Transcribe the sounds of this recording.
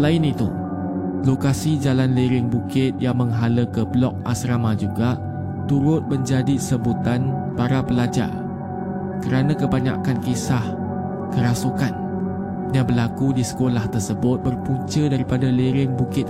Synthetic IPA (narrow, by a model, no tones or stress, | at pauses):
laɪnit̪ṵ | lokasid͡ʒalanleɾɪŋbukɪt̪̚jaŋmə̃ŋɦaləkəblɔk̚a̰sɾamad͡ʒuɡa | t̪uɾʊt̪̚mə̃ɲd͡ʒadisəbut̪an | baɾabəlad͡ʒa̰r | kəɾanãkəbaɲa̰kankisah | kəɾasukan | jabəlakudisə̥kolaht̪ərsəbʊt̪̚bərpuɲt͡ʃədaɾipadaleɾɪŋbukɪt̪̚